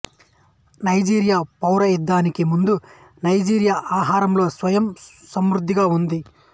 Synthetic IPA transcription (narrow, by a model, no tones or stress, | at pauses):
nɐjd͡ʒiːɾjaːpɐwɾɐjid̪ːaːnikimund̪u | nɐjd͡ʒiːɾjaːʔaːɦaːɾɐmlo̞ːsʋɐjɐmsɐmɾud̪ʱːiɡaːund̪i